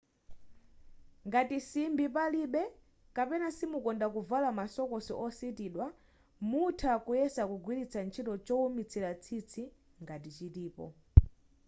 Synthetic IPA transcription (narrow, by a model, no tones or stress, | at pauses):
ŋɡatisimbipaliɓɛ | kapɛnasimukɔndakuvalamasɔkɔsiʔɔsitiːɗwa | mutʰakujɛsakuɡwilit͡sʰant͡ʃʰitɔt͡ʃɔumit͡sʰilat͡sʰit͡sʰi | ŋɡatit͡ʃitiːpɔ̰